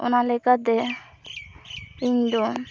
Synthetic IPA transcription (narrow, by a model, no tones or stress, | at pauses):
ɔ̰nalɛkat̪̚ɛ | iɲd̪ɔ